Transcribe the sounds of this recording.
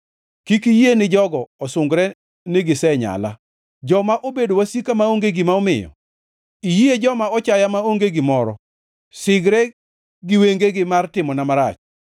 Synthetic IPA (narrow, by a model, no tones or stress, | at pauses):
kikijienɪd͡ʒɔɡɔɔsʊŋɡɾɛ | nɪɡɪsɛɲa̰la | d͡ʒɔmaʔobedowasikamaoŋɡeɡimaɔmɪ̰jɔ̰ | ijied͡ʒɔmaɔt͡ʃajamaoŋɡeɡimɔɾɔ̰ | sɪɡɾɛ | ɡɪweŋɡeɡɪmartɪmɔnamaɾa̰t͡ʃ